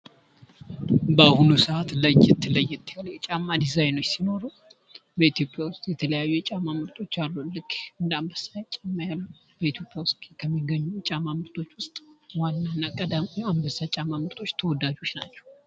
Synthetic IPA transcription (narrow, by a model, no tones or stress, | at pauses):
bəahunusəʔat̪lajːɛt̪ʰːɨləjːɛt̪ʰːɨjaljɛt͡ʃʼamːad̪izajnojsino̞ɾu | bəit̪jo̞pʼjawʊst̪ʼjɛt̪ʰələjajːujɛt͡ʃʼamːamɨɾt̪ʰʼo̞t͡ʃːalːulɨkːɨnd̪əambəsːajt͡ʃʼamːajalːu | b̥əit̪ʰjo̞pʼjawʊst̪ʼkʰəmːiɡəɲːut͡ʃʼamamɨɾt̪ʰʼo̞t͡ʃːwʊst̪ʼwanːanːakʼəd̪aambəsːat͡ʃʼamːamɨɾt̪ʰo̞t͡ʃːt̪ʰəwɔd̪ːad͡ʒo̞t͡ʃna̰t͡ʃːɛ̥w